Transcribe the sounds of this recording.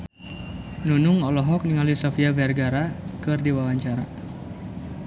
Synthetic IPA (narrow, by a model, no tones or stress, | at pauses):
nunʊŋɔlɔɦɔk̚niŋalisofiavɛrɡaɾakɨrdiwawaɲt͡ʃaɾa̰